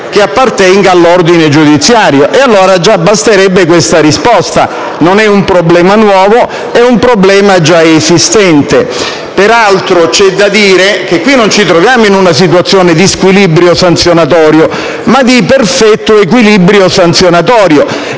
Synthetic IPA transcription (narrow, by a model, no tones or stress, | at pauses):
keapːart̪ɛŋɡaalːord̪ined͡ʒud̪it̪sːjaːɾjoʔealːoːɾad͡ʒabːast̪eɾɛbːekwest̪aɾispɔst̪a̰ | nonɛumpɾoblɛːmanwɔːvo | ɛumpɾoblɛːmad͡ʒaezist̪ɛnt̪e | peɾalt̪ɾot͡ʃɛd̪ːad̪iːɾek̟ekːwinːont͡ʃit̪ɾovjaːmoinunasit̪wat̪sːjoːned̪iskwilibɾjosant̪sjonat̪̬ɔːɾjo | mad̪iperfɛt̪ːoek̬wilibɾjosant̪sjonat̪ɔːɾjo